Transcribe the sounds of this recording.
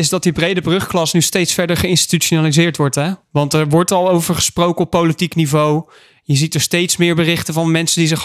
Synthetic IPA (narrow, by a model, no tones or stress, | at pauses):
ɪzdɑt̚dibrejdəbrɵχklɑsnystejtsfɛɹdəɹχəɪnsti̥tyonalizɪːɹtʋɔɹtɦɛʋɑntɛɹʋɔɹtɑlˠowvəɹχə̥sprowkəɔpːowlitiknivow | jəzitəɹstejtsmɪːɹbərɪχtənvɑnmɛnsəndizɪχ